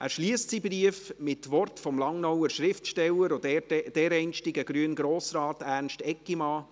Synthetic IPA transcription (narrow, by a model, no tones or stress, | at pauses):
ʔæːɾʃliəstsibriəfmɪtʋɔrtfɔmlɑŋnɔwəʃɾɪftʃtɛlːəɾod̥ɛɾɛɪnʃtɪɡəɡ̥ɾyənɡɾoːsɾɑːtæːrnʃtɛkːimɑː